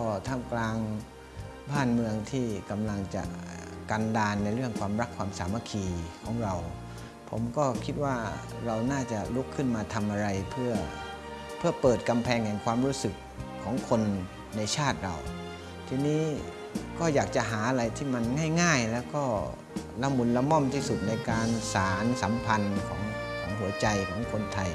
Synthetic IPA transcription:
ɔː˥˩t̪ʰa˥˩klaː˧ŋ | baː˥˩nmɯ˧əŋt̪ʰiː˥˩ka˧mla˧ŋt͡ɕa̰˨˩ʔka˧ndaː˧nːa˧jɾɯ˥˩əŋkʰwaː˧mɾa˦˥kʰwaː˧msaː˩˦ma˧kʰiː˧kʰɔː˩˦ŋɾa˧w | pʰo˩˦mkɔː˥˩kʰi˦˥t̪̚waː˥˩ | ɾa˧wnaː˥˩t͡ɕa˨˩lu˦˥kʰːɯ˥˩nmaː˧t̪ʰa˧mʔa˧ɾa˧jpʰɯ˥˩ɐ | pʰɯ˥˩ɐpɤː˨˩t̪̚ka˧mpʰɛː˧ŋhɛ˨˩ŋkʰwaː˧mɾuː˦˥sɯ˨˩kʰː | ɔː˩˦ŋkʰo˧nː | a˧jt͡ɕʰaː˥˩t̪̚ɾa˧w | t̪ʰiː˧niː˦˥ | kɔː˥˩jaː˨˩k̚t͡ɕa˨˩ʔɦaː˩˦ʔa˧ɾa˧jt̪ʰiː˥˩ma˧nŋaː˥˩jŋaː˥˩jlɛː˦˥wkɔː˥˩ | la˧˥mu˧nla˧mɔ˥˩mt̪ʰiː˥˩su˨˩t̪̚na˧jkaː˧nsaː˨˩˦nsa˩˦mpʰa˧nkʰɔ̰ː˩˦ŋkʰɔː˩˦ŋɦu˩˦ɐt͡ɕa˧jkʰɔː˩˦ŋkʰo˧nt̪ʰa˧j

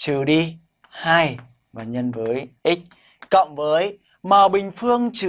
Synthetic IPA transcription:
t͡ɕɨ˨˩ɗi˧ | haː˧j | vaː˨˩ɲə˧nvəː˨˦jʔi˦˥k̚ | kə̰˧˨wŋ͡mvəː˨˦j | maː˨˩wɓï˨˩ŋ̟fɨ˧əŋt͡ɕɨ˧˨˩

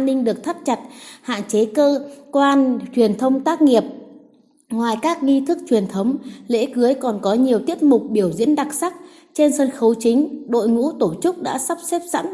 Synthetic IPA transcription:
nːï˧ŋ̟ɗɨ˨˩ək̚t̪ʰə˦˥p̚t͡ɕa˨˩t̚ha̰ː˧˨nt͡ɕe˨˦kəː˧kwaː˧nt͡ɕwi˨˩ənt̪ʰə˧wŋ͡mt̪aː˦˥k̚ŋi˨˩əp̚ | ŋwaː˨˩jkaː˦˥k̚ŋi˧t̪ʰɨ˦˥k̚t͡ɕwi˨˩ənt̪ʰə˨˦wŋ͡mlḛ˧˥kɨ˨˦əjkɔ˨˩nkɔ˨˦ɲi˨˩əwt̪i˦˥əp̚mʊ˨˩k͡p̚ɓi˧˩əwzḭ˧˥ənɗa˨˩k̚sa˦˥k̚ | t͡ɕe˧nsə˧nxə˨˦wt͡ɕï˨˦ŋ̟ɗo̰˧˨jŋṵ˧˥t̪o˧˩t͡ɕɨ˦˥k͡p̚ɗa̰ː˧˥sa˦˥p̚sɛ˦˥p̚sa̰˧˥n

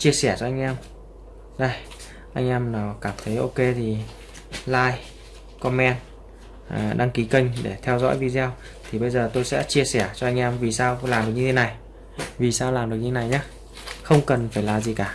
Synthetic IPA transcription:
t͡ɕi˧əsɛ˧˩t͡ɕɔ˧ʔa˧jŋ̟ʔɛ˧m | ɗə˧j | ʔa˧jŋ̟ʔɛ˧mnaː˨˩wkaː˧˩mt̪ʰə˨˦jʔo˧ke˧t̪ʰi˨˩ | laː˧j | kɔ˧mɛ˧n | ʔa˨˩ɗa˧ŋki˨˦kə˧ŋ̟ɗe˧˩t̪ʰɛ˧wzɔ̰˧˥jvi˧zɛ˧w | t̪ʰi˨˩ɓə˧jzəː˨˩t̪o˧jsɛ̰˧˥t͡ɕi˧əsɛ˧˩t͡ɕɔ˧ʔa˧jŋ̟ʔɛ˧mvi˨˩saː˧wlaː˨˩mɗk̚ɲɨ˧t̪ʰe˨˦na˨˩j | vi˨˩saː˧wlaː˨˩mɗɨ˨˩k̚ɲɨ˧t̪ʰe˦na˨˩jɲaː˦˥ | xə˧wŋ͡mkə˨˩nfaː˧˩jlaː˨˩zi˨˩kaː˧˩

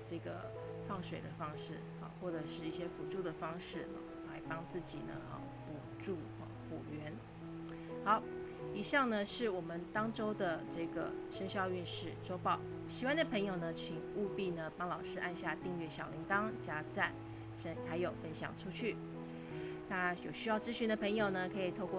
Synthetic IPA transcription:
ʈ͡ʂɤ˥˩ɡə̰˩ | fɑ˥˩ŋʂwe˨˩ɪd̪ə˦fɑ˥ŋʂɻ̩˥˩ | ɑ̰˥˩xwɔ˥˩ʈ͡ʂɤ˨˩ʂɻ̩˥˧i˥˩ɕjɛ˥fu˧˥ʈ͡ʂu˥˩d̪ə˩fɑ˥ŋʂɻ̩̰˥˩˥la˧˥ɪpɑ˥ŋt͡sɹ̩˥˩t͡ɕḭ˨˩nə̰˦˥˧pu˨˩ʈ͡ʂu˥˩˥pu˨˩ɥɛ˧˥n | xɑ˨˧˥ʊ | i˨˩ɕɑ˥˩ŋnə˨ʂɻ̩˥˩wɔ˨˩mə˦nt̪ɑ˥ŋʈ͡ʂo˥ʊd̪ə˨ʈ͡ʂɤ˥˩ɡə̰˩ʂə˥ŋɕjɑ˥˧ʊy˥˧nʂɻ̩˥˩ʈ͡ʂo˥ʊpɑ˥˩ʊ | ɕi˨˥kwa˥nd̪ə˨pʰɤ˧˥ŋjo˨˩ʊnə˦t͡ɕʰy˨˩nu˥˧pi˥˩nə˩pɑ˥ŋlɑ˨˩ʊʂɻ̩˥˧ʔa˥˧nɕja˥˧t̪i˥˧ŋɥɛ˥˩ɕjɑ˨˩ʊli˧˥ŋt̪ɑ˥ŋt͡ɕja˥t͡sa˥˩ɪ | ʂə˥nxa˧˥ɪjo˨˩ʊfə˥nɕjɑ̰˨˩ŋʈ͡ʂʰu˥t͡ɕʰy˥˩ | na˥˧jo˨˩ʊɕy˥jɑ˥˩ʊt͡sɹ̩˥ɕy˧˥d̪ə˧pʰɤ˧˥ŋjo˨˩ʊnə˩kʰɤ˧˥i˨˩t̪ʰo˥˧ʊkw

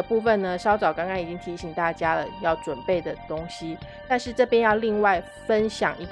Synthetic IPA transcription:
pu˥˩fə˨nnə˩ʂɑ˥ʊt͡sɑ˨˩ʊkɑ˥ŋkɑ˥ŋi˨˩t͡ɕi˦˥ŋt̪ʰi˧˥ɕi˨˩ŋt̪a˥˩t͡ɕja˥lə̰˨jɑ˥˩ʊʈ͡ʂwə˨˩npe˥˩ɪd̪ə˩t̪ʊ˥ŋɕi˨ | t̪a˥˧nʂɻ̩˥˧ʈ͡ʂɤ˥˩pjɛ˥njɑ˥˧ʊli˥˧ŋwa˥˩ɪ | fə˦nɕjɑ̰˨˩ŋʔi˧˥

